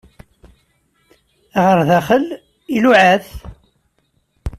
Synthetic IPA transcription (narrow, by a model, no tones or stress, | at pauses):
ʁəɾðæχəl | iluʕæθ